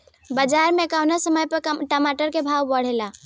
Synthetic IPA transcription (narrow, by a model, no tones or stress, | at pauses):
bəd͡ʒaɾmekawnasəməjpəɾʈəmaʈəɾkebʱawbəɽ̤ela